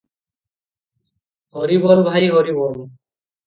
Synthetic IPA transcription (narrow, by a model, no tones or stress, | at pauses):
hɔɾibɔlbʱajɦɔɾibɔl